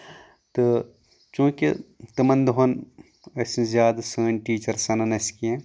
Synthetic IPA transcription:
t̪ɨ | t͡ʃũːket̪ɨmɐnd̪ɦon | ɐsĩzjaːd̪ɐsəːnʲʈiːt͡ʃɐɾsɐnɐnɐskiẽ

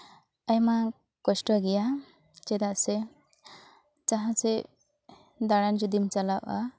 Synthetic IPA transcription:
ajma | kɔsʈɔɡija | t͡ʃed̪ase | t͡saɦãt͡se | d̪aɽand͡ʒud̪imt͡ʃalawʔa̰

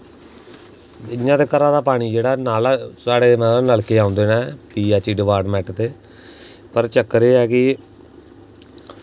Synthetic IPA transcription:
ɪɲːãːt̪eːkəɾãːd̪aːpaːɽ̃iːd͡ʒeːɽaːnaːlsaːɽeːmɛ̃ːnəlkeːãːʊnd̪eːnaːpiːaːt͡ʃiːɖɪʋaːɖmɛːʈt̪eː | pəɾt͡ʃəkːɾeːɛːkɪ

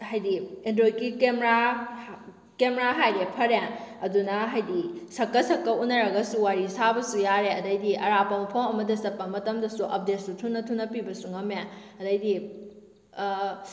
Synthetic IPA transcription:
hajdiendɾojkikemɾa | kemeɾaɦajɾepʰɐɾeɐdunɐɦajdisɐkːɐsɐkːɐʔunːɐɾɐɡɐsuwaɾisabɐsujaɾeɐdɐjdiʔɐɾapɐmɐpʰɐwɐmɐdɐsɐpːɐmɐtɐmdɐsuʔɐp̚det̚sutʰunːɐtʰunːɐpibɐsuŋɐme | ɐdɐjdi

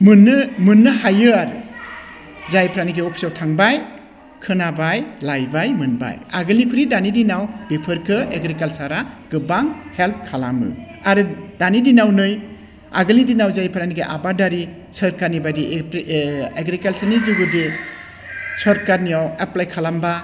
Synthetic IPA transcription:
mɯnɯmɯnːɯhajɯaɾɯ | zajpʰɾaniɡeɔpʰi̥sɔwtʰaŋbaj | kʰɯnabajlajbajmɯnba̰jaɡɯlikʰuɾidanidinawbepʰɯɾkʰɯeɡɾikalsaɾaɡ̥ɯbaŋhelp̚kʰalamɯ̰ | aɾɯdanidinawnɯj | aɡɯlidinawzajpʰɾaniɡeʔabadaɾi | sɯɾkaɾnibadi | eɡɾikalsanizuɡɯde | sɔɾkaɾniaweplajkʰalamba

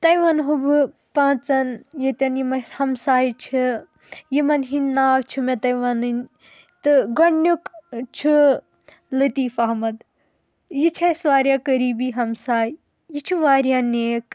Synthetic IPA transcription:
t̪ɐjʋanɦub | pãːt͡sɐnjet̪ʲɐnjimɐhɐmsaːjt͡ʃʰi | jimɐnɦinnːaːwt͡ʃʰimet̪ɐjʋanɨn | t̪ɨɡɐɳːukt͡ʃʰi | lɐt̪iːfaːɦmɐd̪ | jit͡ʃʰɐsʋaːɾjaːkɐɾiːbiɦɐmsaːj | jit͡ʃʰiʋaːɾjaneːk

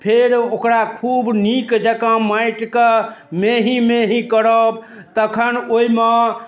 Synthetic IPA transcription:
pʰeɾokɾakʰubnikd͡ʒəkãmajʈkemeɦĩmeɦĩkəɾəb | t̪əkʰənoime

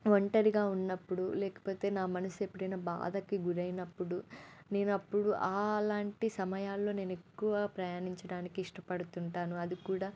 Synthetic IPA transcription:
ʋoɳʈɐɾiɡaːunːɐpːuɽulɛːkɐ̥po̞ːt̪e̞ːnaːmɐnɐsue̞pːuɽɐjnɐba̰ːd̪ɐkiɡuɾɐjnɐpːuɽune̞ːnɐpːuɽuʔaːlaːɳʈisɐmɐjaːlːo̞ːne̞ːne̞kːuʋaːpɾɐjaːniɲt͡ʃɐɽaːnikiːʂʈɐpɐɽut̪uɳʈaːnuɐd̪ikuːɽaː

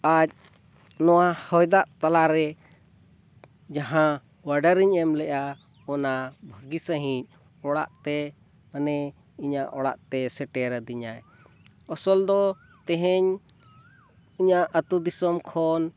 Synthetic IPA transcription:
ac̚ | nɔwahɔjd̪aʔt̪alaɾɛ | d͡ʒaɦã | waɖaɾiɲɛmlɛʔa | ɔnabʱəɡisaɦĩɲ̚ | ɔɽa̰ʔt̪ɛ | manɛ | iɲaʔɔɽa̰ʔt̪ɛsɛʈɛɾad̪iɲaj | ɔsɔld̪ɔ | t̪ɛɦɛɲ | iɲaʔət̪ud̪isɔmkʰɔn

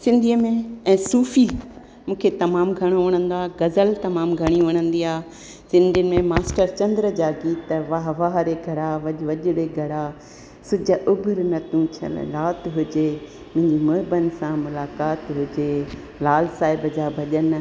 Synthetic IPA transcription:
sɪ̃nd̪ʱiəmẽɛ̃ːsuːfi | mũːkʰet̪ɐmaːmɡʱɐɽ̃oʋɐɽ̃ə̃nd̪oaːɡɐzəlt̪ɐmaːmɡʱɐɽ̃ĩʋɐɽ̃ə̃nd̪iaː | sɪ̃nd̪ʱijənɪ̆mẽmaːsʈəɾt͡ɕɐ̃nd̪ɾəd͡ʑaːɡiːt̪ʋaɦʋaːɦɾeɡʱɐɽaʋɐʄʋɐʄʊɽeɡʱɐɽaː | sʊd͡ʑəʔʊbʱʊɾnɐt̪ʰũt͡ɕʰə̰l̰laːt̪ɦʊd͡ʑe | mʊ̃ɦɪ̃ɲd͡ʑimʊɦɪbənɪ̆sãmʊlaːkaːt̪ɦʊd͡ʑeː | laːlsaːɦɪbəd͡ʑaːbʱɐʄən

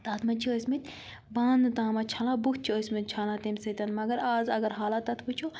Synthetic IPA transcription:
t̪ɐt̪ʰmɐt͡ʃʰioːsmɐt̪ʲ | baːnɨt̪ãːmɐt͡ʃʰɐlãbukt̪̚t͡ʃʰiosʲmɐt̪̚ʲt͡ʃʰaːlãːt̪emʲsɐt̪ɐnmɐɡɐɾaːzɐɡɐɾɦaːlɐt̪ːɐt̪ʰbut͡ʃʰo

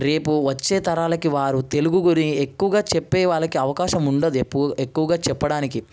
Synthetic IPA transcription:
ɾe̞ːpuʋɐt͡ʃːeːt̪ɐɾaːlɐkiʋaːɾut̪e̞luɡuɡuɾiekːuʋɐɡaːt͡ʃɛpːɛːʋaːɭɐkiɐʋɐkaːʃɐmuɳɖɐd̪ekːuʋɐɡaːt͡ʃɛpːɐɽaːniki

